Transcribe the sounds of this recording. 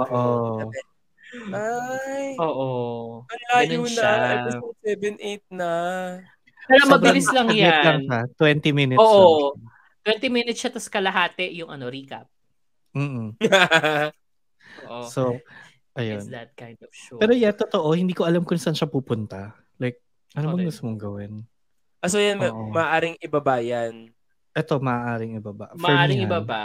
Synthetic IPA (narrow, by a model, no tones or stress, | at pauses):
ʔoːʔo | ajoːʔoɐjaːnjonɐɐjɐsɐsɛvɛnʔejt̪̚nɐ | paːɾomɐbɪlɪslɐŋjɛlɐŋʃat̪wɛnt̪imɪnɪoːʔo | t̪wɛnt̪imɪnɪt̪sʃɐt̪ɐskɐlɐɦaːt̪ɛjʊŋʔɐ̰no̞ɾiːkɐ̰p̚ | m̩ːa | oʔoso | ʔɐjondɐt̪̚kajnd̪ɔvʃɛːɾojat̪ot̪o̞ʔo̞hɪnd̪iːko̞ʔɐlamkʊnsanʃɐpuːpʊnt̪ɐ | lajk̚ | ʔɐnobɐŋɡʊst̪ʊmoŋɡɐwɪn | ʔɐsojanʔomɐʔːʔaːɾɪŋɪbabaːjan | ʔɛt̪o̞mɐʔaʔaːɾɪŋɪbaba̰ʔfmɐɛʔaːɪŋɪbaba